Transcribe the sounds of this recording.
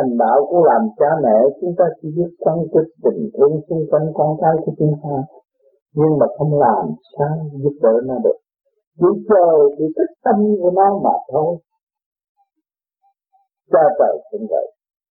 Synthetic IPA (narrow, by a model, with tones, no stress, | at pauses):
a˨˩ŋɓa̰ː˧˨wkṵ˧˦əlaː˨˩mt͡ɕaː˧mɛ̰˧˨t͡ɕʊ˨˦ŋ͡mt̪aː˧t͡ɕḭ˧˦zi˦˥t̚kwaː˧nti˨˧˩k̚t̪i˨˩ŋ̟t̪ʰi˧əŋsɨ˧ŋkwa˧jŋkɔ˧nkaː˨˦jku˧˩ət͡ɕu˧˦ŋ͡mt̪aː˧ | ɲɨ˧ŋmaː˨˩xə˧wŋ͡mlaː˨˩msaː˧wzu˦˥p̚ɗə̰ː˧˦naː˧˩ɗɨ˨˩ək̚ | ɗi˧˦t͡ɕəː˨˩jɗi˧˩t̪ʰi˦˥k̚t̪ə˧m˧və˧˦na˧wma̰ː˨˩t̪ʰo˧j | t͡ɕaː˧və̰˨˩jkə̰˧˩nvə̰˧˨j